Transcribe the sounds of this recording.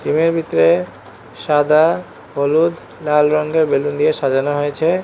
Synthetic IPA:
t͡ɕimeɾbʱit̪ːɾe | ʃad̪a | olud̪ʱ | lalɾɔŋɡeɾbelund̪ijeʃad͡ʑanoɦojet͡ɕʰe

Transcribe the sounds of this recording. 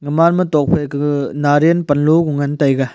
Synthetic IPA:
ŋɐmanmɐtɔk̚pʰeknaɾenpɐnlukuŋɐntɐjɡɐ

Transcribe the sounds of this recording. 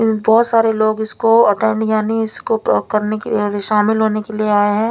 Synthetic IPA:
bɔːt̪saːɾeloːɡɪskoɐʈɛ̃ːɳɖjaːniɪskokɐɾnekeʃaːmɪlɦoːnekelieaːeɦɛ̃ː

